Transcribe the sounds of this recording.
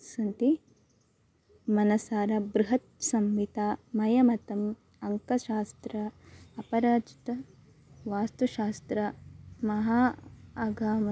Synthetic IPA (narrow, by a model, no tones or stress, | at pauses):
sɐnt̪i | mɐnɐsaːɾɐbɾuɦɐt̪̚sɐmʋit̪aːmɐjɐmɐt̪ɐm | ɐŋkɐʃaːst̪ɾɐɐpɐɾaːt͡ʃi̥t̪ɐ | ʋaːst̪ɐʃaːst̪ɾɐmɐɦaːɐɡʱaːmɐ